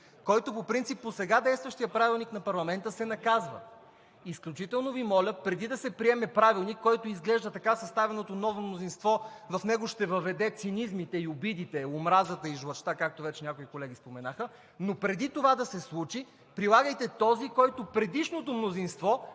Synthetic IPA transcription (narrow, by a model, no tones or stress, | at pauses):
kɔjt̪opopɾint̪sipːosɛɡad̪ɛjst̪vəʃt̪ijəpɾavilˠniknɐpɐɾlˠɐmɛnt̪əsɛnɐkazvə̰ | isklʲut͡ʃit̪ɛlˠnovimɔlʲəpɾɛd̪id̪ɐsɛpɾiɛmɛpɾavilˠnikːɔjt̪oizɡlɛʒd̪ət̪ɐkasɐst̪avɛnot̪onɔvomnozinst̪vɔvɐfnɛɡoʃt̪ɛvɐvɛd̪ɛt̪sinizmit̪ɛiʊbid̪it̪ɛomɾazət̪əiʒlˠɐt͡ʃt̪akak̚t̪ovɛt͡ʃɛnʲakoikolɛɡ̟ispomɛnaxə | nopɾɛd̪it̪ovad̪ɐsɛslˠut͡ʃi | pɾilˠaɡəjt̪ɛt̪ɔzikɔjt̪opɾɛd̪iʃnot̪omnozinst̪vɔ